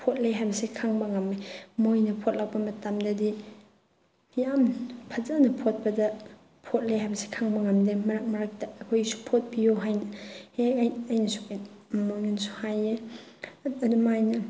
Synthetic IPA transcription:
pʰot̚leɦajbɐsekʰaŋbɐŋamemojnɐpʰot̚lawpɐmɐtamdɐdi | jampʰɐzanɐpʰot̚bɐdɐ | pʰot̚leɦajbɐse̥kʰaŋbɐŋamdemɐɾak̚mɐɾak̚tɐːkʰojsu̥pʰot̚bijoɦajnɐhekɐjnɐsu̥kmojŋunsu̥haje | ɐdumajnɐ

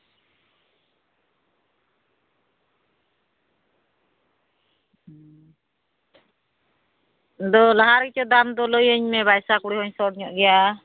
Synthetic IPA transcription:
d̪ɔlaɦaɾɡit͡ʃɔd̪amd̪ɔləjəɲmɛβajsakuɽihɔɲsɔɽ̚ɲɔʔɡɛja

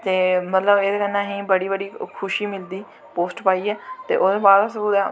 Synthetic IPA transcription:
t̪eːmət̪ləbeːd̪eːkənãːɦĩːbəɽiːbəɽiːkʰʊʃiːmɪld̪iː | poːsʈpaːiːɛːt̪ḛːʔoːd̪eːbaːd̪sbud̪aː

